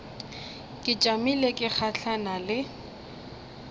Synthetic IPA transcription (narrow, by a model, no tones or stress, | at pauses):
kʼɪt͡ʃʼamilekʼɪk͡xʰaɬʰanalɪ